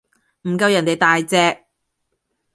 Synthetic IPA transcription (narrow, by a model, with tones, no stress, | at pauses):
m̩˨˩kɐ˧wjɐ˨˩nt̪e˨jt̪aː˨jt͡sɛː˧k̚